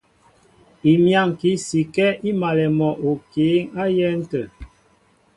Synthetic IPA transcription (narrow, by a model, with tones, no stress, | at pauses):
i˨mja˦˨ŋki˨˦si˨kɛ˦ʔi˦ma˨lɛ˨mɔ˨ʔo˨keː˨˦ŋa˦jɛ˦n̩˦tə˨